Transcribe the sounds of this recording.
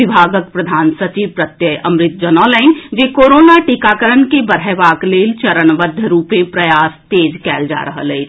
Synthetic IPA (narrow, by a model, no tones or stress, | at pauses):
ɪbʱaːɡəkpɾɐd̪ʱaːnsɐt͡ʃiːʋpɾɐt̪jəɐ̃mɾɪt̪̚d͡ʒɐnɔːləɪnd͡ʒeːkoːɾoːnaʈikaːkəɾənkebɐɾɛːʋaːkleːlt͡ʃɐɾənʋəd̪ʱːjəɾuːpẽpɾɐjaːst̪eːd͡ʒkɛːld͡ʒa̰ːɾɐɦə̰leː